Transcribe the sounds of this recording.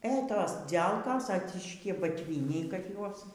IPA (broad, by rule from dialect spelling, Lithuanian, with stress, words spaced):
eː ˈtoːs ˈd͡zʲɛlˠkoːs ɐˈt͡sʲɪʃʲkʲɪ bɐtʲˈʋʲiːnʲɛɪ kɐt ˈjuɔs